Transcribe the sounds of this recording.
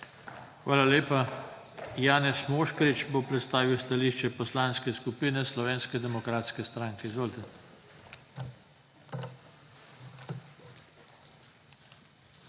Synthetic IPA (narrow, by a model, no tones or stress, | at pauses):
xʋaːlaleːpa | jaːnɛsmoːʃkɔɾit͡ʃbopɾɛt̪st̪aːʋiwst̪aliːʃt͡ʃɛpɔslaːnskɛskupiːnɛslɔʋeːnskɛd̪ɛmɔkɾaːt̪skɛst̪ɾaːŋkɛzolt̪an